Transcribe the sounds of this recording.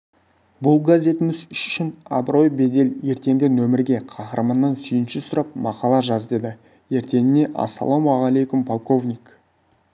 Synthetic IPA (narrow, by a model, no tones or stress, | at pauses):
bʊlˠɡazʲe̞t̪ɪmɪzʏʃʃɪnɑ̰bɾo̞jbe̞d̪e̞lje̞ɾt̪e̞ŋɡʲɪnɵmɪɾɡʲe̞qʰɑqəɾəmənːɑnsʏjɪnʃɪsʊɾɑp̚mɑqɑlˠɑʒɑzd̪e̞d̪ɪ | je̞ɾt̪e̞nɪne̞ʔɑ̰sːɑ̰lˠomaʁalejkʊmpʰolˠko̞vnʲik